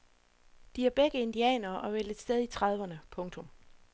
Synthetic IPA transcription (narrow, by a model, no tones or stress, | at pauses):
d̥iæɐb̥eɡ̥əe̝nd̥iɛ̰ːnɐːʔɒ̽ʋel̰ə̥sd̥eð̞ˠit͡sʰʁɑð̞ˠʋɐnəpʰɔ̽ŋt͡sʰɔ̽m